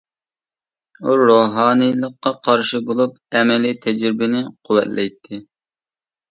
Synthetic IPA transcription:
uɾoɦɑːnɨjlˠəqːɑqʰɑɾʃɨbolˠup | ɛmɛlit̪ʰɛd͡ʒɾɪbɪnɪqʰʊwɛ̰t̪lʔɛjt̪ʰːɪ

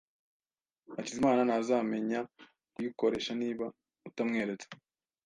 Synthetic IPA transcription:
acizimaːnanazaːme̞ɲa | kujiko̞ɾe̞ʃaniːβa | utamŋe̞ːɾe̞t͡sḁ

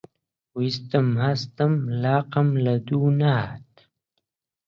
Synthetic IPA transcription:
wist̪amhast̪amlɑːqamlad̪uːnaɦat̪̚

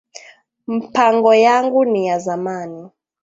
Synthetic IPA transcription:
m̩pʰaŋɡɔjaŋɡunijazamaːni

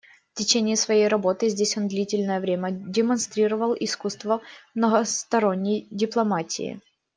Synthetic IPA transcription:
ftʲɪt͡ɕenʲɪɪsvɐjejɾɐbo̞t̪ɨzʲdʲesʲo̞nd̪lʲitʲɪlʲnəjəvɾʲemʲədʲɪmɐnst̪ɾʲiɾəvəlˠɪskust̪vəmnəɣəst̪ɐɾo̞nʲːɪjdʲɪplˠɐmatʲɪ̰ɪ̰

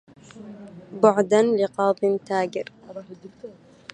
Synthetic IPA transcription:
bʊʕd̪anlɪqɑːb̪ˤɪnt̪aːɡɪɾ

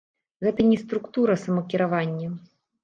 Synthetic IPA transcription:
ɣɛt̪ɐnʲɛst̪ɾukt̪uɾɐsɐmɐkʲiɾavanʲːɐ

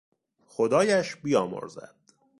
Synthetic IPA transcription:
xod̪ɒːjæʃbiːjɒːmo̰ɾzæ̰d̪̥

